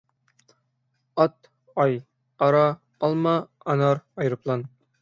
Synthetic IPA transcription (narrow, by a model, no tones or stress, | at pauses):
ɒt̪ | ɑj | ɒɾɑ | ɒlˠmɑ | ɒnɑɾɒjɾɤ̆plˠɑn